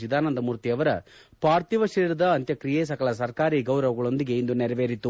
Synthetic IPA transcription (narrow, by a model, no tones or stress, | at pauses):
id̪aːnɐnd̪ɐmuɾt̪iɐʋɐɾɐ | paːɾt̪iʋɐʂiːɾɐd̪ɐːnt̪jɐkɾijeːs̬ɐkɐɭɐs̬ɐɾkaːɾiːɡɐwɾɐʋɐɡɐɭo̞nd̪iɡe̞ind̪unɛɾɐʋeːɾit̪ːu